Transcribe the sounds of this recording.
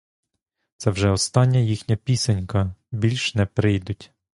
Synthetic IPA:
t̪sɛwʒɛɔst̪ɑnʲːɐjixnʲɐpʲisɐnʲkɐbʲilʲʃnɛpɾɪjd̪ʊtʲ

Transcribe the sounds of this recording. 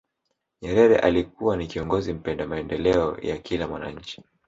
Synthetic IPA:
ɲɛɾɛɾɛ̰ʔalikuwanikiɔŋɡɔzim̩pɛndamaɛndɛlɛɔ̰jakilamwana̰ɲ̩t͡ʃi̥

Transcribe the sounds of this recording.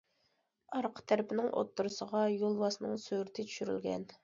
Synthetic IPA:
ɑɾqʰə̥t̪ʰæɾɪpʰɪnɪŋʔo̰t̪ːuɾʊsəʁɑjolˠwɑsnɨŋsøɾt̪ʰɪt͡ʃʰy̥ʃyɾy̰lɡʲɛ̰n

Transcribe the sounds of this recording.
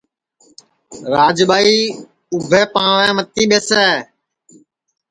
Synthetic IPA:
ɾaːd͡ʒɓaːiː | ʊbʱɛːpãːʋɛ̃ːmət̪iːɓeːsɛː

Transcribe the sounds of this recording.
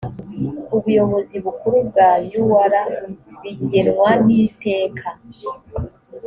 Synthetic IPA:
uβujo̞βo̞ziβukuɾub̚ɡajuwaɾaβiɟeɾwanite̞ːkʰa

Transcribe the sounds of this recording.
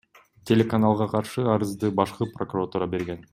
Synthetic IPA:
tʲelʲekanalˠʁɑqʰɑɾʃɯɑɾɯzd̪ɯbɑʃqɯprokuɾat̪uːɾɑbe̞ɾɡe̞n

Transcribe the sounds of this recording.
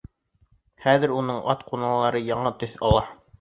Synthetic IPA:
χæðɘ̆ɾunɤɴʔɑt̪qunɑlˠɑɾɤjɑɴɤt̪ɵθɑ̰lˠɑ

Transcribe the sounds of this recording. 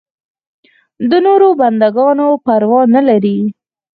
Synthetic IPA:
d̪ənoɾoband̪aɡɑnopaɾwɑnəlaɾi

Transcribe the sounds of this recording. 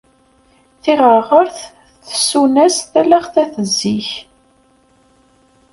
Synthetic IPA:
θiʁəʁəɾθ | θə̥sunæsθælæχθæθəzːiç

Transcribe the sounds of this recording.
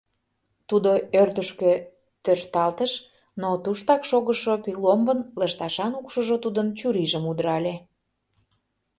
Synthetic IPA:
t̪ud̪oørt̪əʃkø | t̪øʃt̪ɑlt̪əʃ | not̪uʃt̪ɑkʃoɣəʃopilombənləʃt̪ɑʃɑnukʃəʒot̪ud̪ənt͡ɕuɾiʒəmud̪ɾɑlʲe

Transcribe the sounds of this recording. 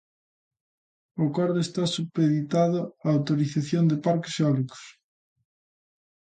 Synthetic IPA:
okɔɾðoest̪asupeðit̪aðoaːwt̪oɾiθaθjond̪epaɾkeseɔliko̥s

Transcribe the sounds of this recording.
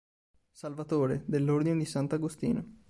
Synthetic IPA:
salvat̪oːɾed̪elːord̪ined̪isant̪aɡost̪ḭːno

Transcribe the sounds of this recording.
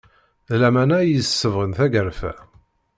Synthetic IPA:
ðlæmænæjəsːəvʁənθæɡəɾfæ̰

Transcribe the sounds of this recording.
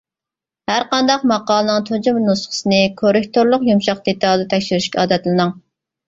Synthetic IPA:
hæɾqɑnd̪ɑq̚mɑqɑːlˠənɨŋt̪ʰod͡ʒumnusχʰə̥sɨnɨkʰoɾɪk̚ʲt̪ʰoɾlˠʊqjumʃɑq̚d̪et̪ʰɑlˠd̪ɛt̪ʰɛkʲʃyɾyʃkʲɛɑːd̪ɛt̪lˠɨnɨŋ

